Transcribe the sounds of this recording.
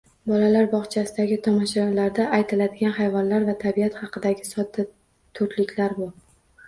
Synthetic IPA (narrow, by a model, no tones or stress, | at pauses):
bɒlalaɾbɒχt͡ʃʰasɪd̪aɡʲɪt̪ʰɒmɒʃɾɒlaɾd̪aːjt̪ʰɪlad̪ɪɡʲanχajvɒnlaɾvat̪ʰabijat̪hɑqɨd̪aɡʲɪsɒt̪ːɪ | t̪ʰʊɾt̪lɪkʲlaɾbʊ